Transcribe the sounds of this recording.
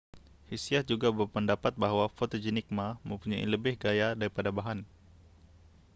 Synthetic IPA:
hisiahd͡ʒuɡabərpəndapat̪̚bahɦwafot̪od͡ʒinik̚maməmpuɲaḭləbɪhɡajadaɾipadabaɦan

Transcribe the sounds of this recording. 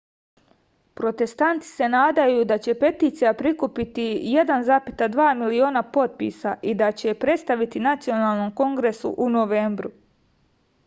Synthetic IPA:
pɾo̞t̪e̞st̪ant̪i̥se̞naːd̪ajud̪at͡ɕe̞pe̞t̪iːt̪sijapɾikupit̪ijed̪anzaːpit̪ad̪ʋaːmilio̞ːnapo̞t̪̚pḭsaʔid̪at͡ɕe̞pɾe̞t̪st̪aʋit̪inat̪sijo̞naːlˠno̞mko̞ŋɡɾe̞sṵʔunoʋe̞ːmbɾu

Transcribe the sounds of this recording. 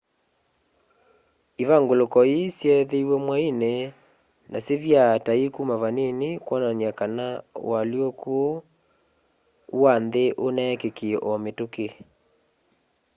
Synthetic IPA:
iβaŋɡolokɔisjɛðeiwɛmwaine | nʔaseβjataikumaβanenikwɔnanjakanaw̰aljokuo | wanðeʔonɛkekiɛʔɔmetoke

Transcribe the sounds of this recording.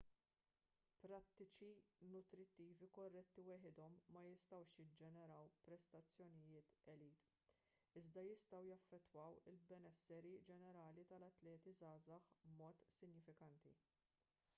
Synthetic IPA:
pɾɐt̪ːɪt͡ʃinʊt̪ɾɪt̪ːiːvikɔrːɛt̪ːiwɛːħɪd̪ɔmːɐjɪst̪ɐwʃjɪd͡ʒɛnɛɾɐwpɾɛst̪ɐt͡sːjɔnɪjɪːt̪ɛliːt̪ | ɪzd̪ɐjɪst̪ɐwjɐfːɛt̪ːwɐwɪlbɛnɛsːɛɾid͡ʒɛnɛɾɐːlit̪ɐlɐt̪lɛːt̪izɐːzɐħbmɔːt̪sɪɲjɪfɪkɐnt̪ḭ

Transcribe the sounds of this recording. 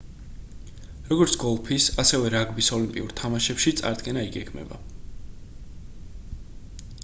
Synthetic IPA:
ɾɔɡɔɾt̪sʰɡ̥ɔlˠpʰisasɛvɛɾaɡbisɔlimpʼḭuɾt̪ʰamaʃɛpʃit̪sʼa̰ɾd̪ɡɛnaiɡɛɡmɛ̰ba̰

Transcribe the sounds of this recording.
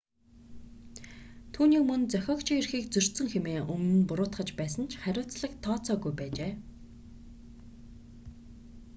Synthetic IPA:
t̪ʰuːniːkmɵnt͡sœxʲɔːkt͡ɕʰĭirxiːkt͡sɵr̥ʲt̪sɵ̆ŋxemeːʔɵmnɘ̆npʊɾʊːt̪χə̆t͡ɕpæːsə̆nt͡ɕʰχæɾʲʊːt͡sɮə̆kt̪ʰːɔːt͡sɔːɣujpæːt͡ɕeː

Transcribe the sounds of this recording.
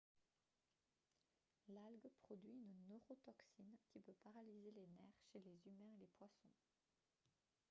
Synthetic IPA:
lalɡpχɔd̪ɥiynnøʁot̪ɔksinkʲipøpaʁalizelenɛʁʃelezymɛ̃elepwasɔ̃

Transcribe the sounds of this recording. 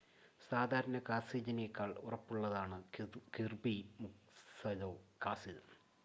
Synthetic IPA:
saːd̪ʱaːɾɐnɐkaːsiːd͡ʑɐnijɐkːaːɭurɐpːuɭːɐðaːɳɨkirbimuk | sɐðoːkaːsidɐm

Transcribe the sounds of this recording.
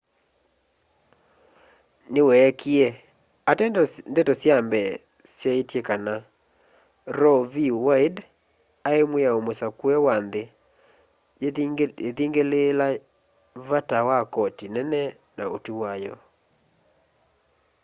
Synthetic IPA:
newɛkiɛ | atɛndɛtɔsjambɛ | sjaitjekana | ɾɔviwaid | aemweaomosakwɛwande | eðiŋɡelela | vatawakɔtinɛnɛ | na̰o̰tuwajɔ̰

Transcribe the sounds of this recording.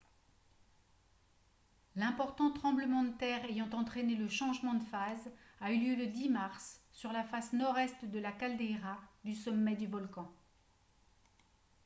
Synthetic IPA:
lɛ̃pɔʁt̪ɑ̃t̪χɑ̃bləmɑ̃d̪ət̪ɛʁejɑ̃t̪ɑ̃t̪χɛneləʃɑ̃ʒmɑ̃d̪əfazayljøləd̪imaʁsːyʁlafasnɔʁɛst̪d̪əlakald̪eʁad̪ysɔmːɛd̪yvɔlkɑ̃

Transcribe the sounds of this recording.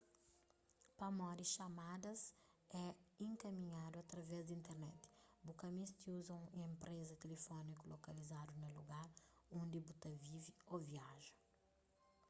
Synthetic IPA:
pɐmɔɾiʃamad̪ɐz | ɛẽŋkɐmĩɲad̪uat̪ɾɐvɛzd̪ĩnt̪eɾnɛt̪ɪ̥bukɐmist̪iuzɐ̃w̃ẽmpɾezɐt̪elefɔnikulokɐlizad̪unɐluɡaɾõnd̪ibut̪ɐvivioviaʒɐ̥

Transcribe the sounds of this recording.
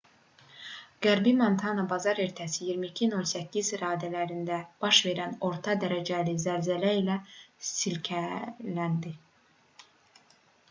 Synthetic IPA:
ɡ̥æɾbimont̪ʰɑnɑbɑzɑɾe̞ɾt̪ʰæsijiɾmicʰino̞lˠsæcːizɾɑːd̪ælæɾind̪æb̥ɑʃve̞ɾæno̞ɾt̪ʰɑd̪æɾæd͡ʒælizæɾzælæilæsilcʰælænd̪i

